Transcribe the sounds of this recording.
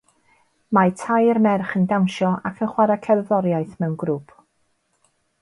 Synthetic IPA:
matʰajərmɛrχəndawnʃɔa̰kʰənχwaɾakʰɛrðɔɾjaɨθmɛwnɡɾupʰ

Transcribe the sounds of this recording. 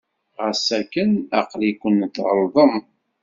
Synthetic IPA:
ʁəsækːənæ̰qlikʷənt̪ːəɾˤðˤəm

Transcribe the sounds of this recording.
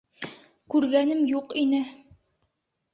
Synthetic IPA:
kʉɾɡænɘmjuqinɘ

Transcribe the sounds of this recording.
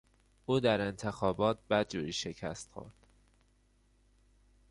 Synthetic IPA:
ʔuːd̪æɾe̞nt̪ʰexɒːbɒːt̪̚ʰbæd̪̚d͡ʒuːɾiːʃe̞cʰæ̰st̪xo̰ɾd̪̥

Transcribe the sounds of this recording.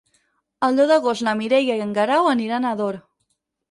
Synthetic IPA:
əlˠd̪oðəɣost̪ləmiɾejəiəŋɡəɾawəniɾanaðoɾ

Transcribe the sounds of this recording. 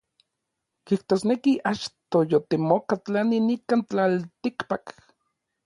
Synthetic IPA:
kiht̪oːsnekiʔat͡ʃt̪ojot̪emokat͡ɬaninikaːnt͡ɬalt̪ikpak

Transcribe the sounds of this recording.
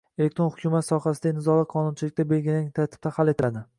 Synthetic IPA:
ele̞k̚ʲt̪ɾo̞nhʊkʲʰumat̪sɒhasɪd̪anɪzɒlˠaqʰɒnʊnt͡ʃʰɪlɪk̚ʲt̪ʰabe̞lɡʲɪlanɪŋt̪ʰaɾt̪ʰɪ̥p̚t̪ʰahale̞t̪ʰɪlad̪ɪ

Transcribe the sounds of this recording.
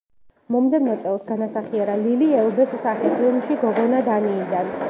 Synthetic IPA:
mɔmd̪ɛvnɔt̪sʼɛlˠsɡanasaχiɛɾaliliɛlˠbɛssaχitʰilˠmʃiɡɔɡɔnad̪anid̪an

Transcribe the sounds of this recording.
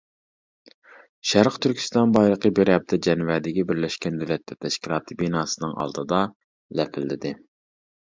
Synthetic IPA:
ʃæɾqt̪ʰyɾkʲʰy̥st̪ɑnbɑjlˠəqəbeɾɛp̚t̪ʰɛd͡ʒɛnvɛd̪ɪɡʲɛbɪɾlɛʃkʲɛnd̪ylɛt̪ːɛt̪ʰɛʃkʲilˠɑːt̪ʰɨbinɑːsɨnɨŋɑ̰lˠd̪ɨd̪ɑ | lɛpʰɪlːɪd̪ɪ

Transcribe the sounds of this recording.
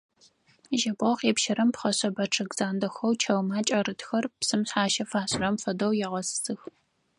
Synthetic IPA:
ʒɐbʁɐqeːpʃɐɾɐmpχɐɕɐbɐʈ͡ʂʰɐɡz̥aːndɐxɐwt͡ʃʰɐwmaːt͡ʃʼɐrɨtxɐrpsɨmɕħaːʃɐfaːɕrɐmfɐdɐwjɛʁɐssɨx

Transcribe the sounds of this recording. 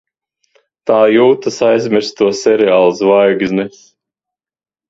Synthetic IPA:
t̪aːjuːt̪asajzmʲiɾst̪uɔsɛɾeaːlˠsvajɡzʲnɛs

